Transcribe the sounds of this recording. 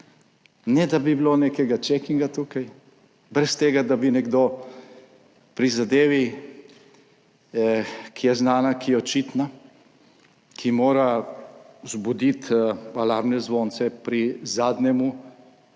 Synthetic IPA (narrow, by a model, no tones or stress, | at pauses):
nɛd̪abibiloneːkɛɡat͡ʃɛkiŋɡat̪ukaj | bɾɛst̪eːɡad̪abinɛɡd̪o | pɾizad̪eːʋi | kʰijɛznaːnakijɛɔt͡ʃit̪na | kʰimoːɾa | zbud̪it̪alaɾbnɛzʋoːnsɛpɾizaːd̪nɛmu